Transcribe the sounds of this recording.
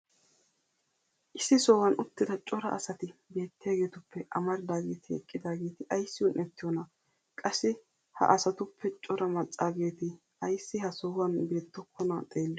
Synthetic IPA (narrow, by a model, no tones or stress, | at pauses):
ʔɪsːɪsɔːwɐnʊt̪ːɪd̪ɐt͡ʃʼɔɾɐɐ̰sɐt̪ɪbe̞ːt̪ːɪjaːɡe̞ːt̪ʊpʰːɛʔɐmɐɾɪd̪aːɡe̞ːt̪ɪɛ̰kʼːɪd̪aːɡe̞ːt̪ɪʔɐjsːɪʊnʔɛt̪ːɪjɔnɐ | kʼɐsːɪ | hɐ̰ʔɐsɐt̪ʊpʰːɛt͡ʃʼɔɾɐmɐt͡sʼːaːɡe̞ːt̪ɪ | ɐjsːɪhɐsɔːwɐnbeːt̪ːɔkʰːɔnɐt̪ʼeːlːɔ